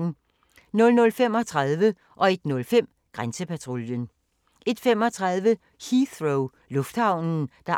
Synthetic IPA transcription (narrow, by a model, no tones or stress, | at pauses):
n̩ | nɔ̽lnɔ̽lfem̰ɒ̽t͡sʰʁɑðˠʋə | ʔɒ̽e̝d̥nɔ̽lfem̰ | ɡ̥ʁansəpʰæt͡sʰʁo̝ljən | ʔe̝d̥fem̰ɒ̽t͡sʰʁɑðˠʋə | hiθʁoʊ | lɔ̽fd̥hɑ̈ʊ̰nn̩d̥ɑ̈